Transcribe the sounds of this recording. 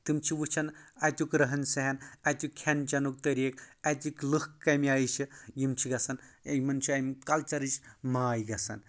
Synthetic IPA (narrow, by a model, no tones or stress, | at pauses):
t̪ɨmt͡ʃʰiʋut͡ʃʰɐnɐjt̪ukɾɐɦɐnsɐɦɐnɐt̪ukʰːent͡ʃɐnuk̚t̪ɐɾekɐt̪iklɨhkːɐmiajit͡ʃʰijimt͡ʃʰiɡɐsɐnjmɐnt͡ʃʰiɐjmikɐlt͡ʃɐɾɨt͡ʃmaːjɡɐsɐ̰n